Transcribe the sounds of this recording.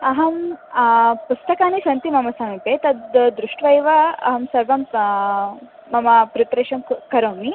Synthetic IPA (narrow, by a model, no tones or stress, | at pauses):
ɐɦɐm | pust̪ɐkaːnisɐnt̪imɐmɐsɐmipet̪ɐd̪d̪ɾuʂʈʋɐjʋɐɐ̰ɦɐmsɐɾʋɐm | ɐmɐpɾit̪ɾeːʃɐmkɐɾoːmi